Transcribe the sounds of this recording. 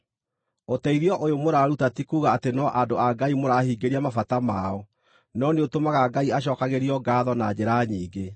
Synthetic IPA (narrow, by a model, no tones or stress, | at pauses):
otɛiðiɔʔojomoɾaɾutatikuːɣaːtenɔʔadoaɡaimoɾaːhiːɡeɾiamafatamaːɔ | nɔneotomaɣaɡaiaɕ̬ɔːkaɣeɾiɔɡaːðɔnad͡ʑeɾaːɲiːɡe